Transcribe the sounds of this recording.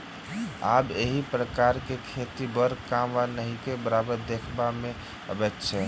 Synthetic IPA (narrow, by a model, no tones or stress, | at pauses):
a̰beɦipɾəkaɾkekʰet̪ibəɾkamwanəɦikebəɾabəɾd̪ekʰbame | ə̰bɛt̪t͡ʃʰɛ